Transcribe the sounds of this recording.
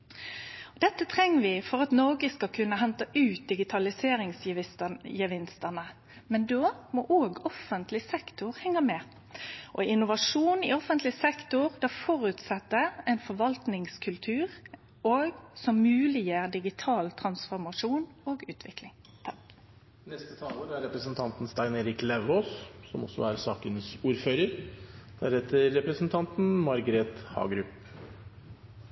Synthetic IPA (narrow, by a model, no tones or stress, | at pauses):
d̪ɛt̪ːət̪ʰʁɛŋːəʋɪfɔʁɑt̪noːɡəskɑkʰʉnːəɦɛnt̪əʔʉːt̪̚d̪ɪɡɪt̪ʰɑlɪseːɾɪŋs | jəʋɪnst̪əʁnə | mɛnd̪oːmɔʔoːɡɔfənt̪ʰlɪsɛkt̪ʊʁhɛŋːəmɛ | ʔɔɪnʊʋɑʂuːnɪɔfənt̪lɪsɛkt̪ʊʁd̪ɛfɔʁʉt̪sɛt̪ːəɛɪnfɔɾʋɑlt̪nɪŋskʰʉlt̪ʰʉːʁ | oːɡsɔmːʉːlɪjæːʁd̪ɪɡɪt̪ʰɑːlt̪ʰɾɑnsfɔɾmɑʂuːnoːɡʉːt̪ʰʋɪklɪŋ | nɛst̪ət̪ʰɑːloːɾəæɾɛpɾəsənt̪ʰɑnt̪n̩st̪æɪneːɾɪklæʋhoːssɔmɔ̰sɔ̰æɾsɑːkənsuːɾføːɾəɾd̪̥ɛæɾhɛt̪ːəɾːɛpɾəsn̩t̪ʰɑnt̪n̩mɑɾɡɾeːt̪hɑ̰ːɡɾʉp